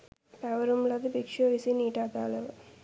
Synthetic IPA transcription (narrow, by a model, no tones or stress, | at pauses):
pɛʋɐɾumlɐd̪ibikʂoːʋisiniːʈaːt̪a̰ːlɐʋ